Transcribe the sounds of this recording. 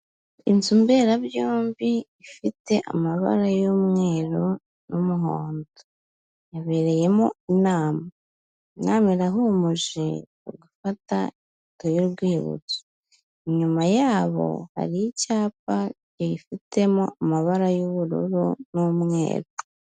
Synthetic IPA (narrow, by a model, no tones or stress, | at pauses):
int͡sumbe̞ɾaβjoːmbiː | fite̞ʔa̰maβa̰ɾajomŋe̞ːɾo | numuɦoːndo | jaβe̞ɾe̞je̞moinaːma | inaːmiɾaɦomuʒi | o̰ɡufata̰i | tojoɾɡwiːβṵt͡so̥ | iɲumajaːβo̞̰ha̰ɾijicaːpaɟiifitʰe̞mo̰amaβaɾajoβuɾṵɾunumŋe̞̰ːɾo